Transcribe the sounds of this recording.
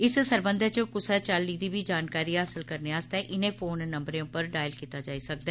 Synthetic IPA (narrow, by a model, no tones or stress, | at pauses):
ɪssəɾbə̃nd̪ʱət͡ʃəkʊsət͡ʃəlːiːd̪iːbʱiːd͡ʒaːnkaːɾiːɦaːsɪlkəɾneaːst̪ɛːʔɪnẽːfʰoːnːəmbɾeõpəɾɖaːjəlkiːt̪aːd͡ʒaːiːsək̚d̪ɛː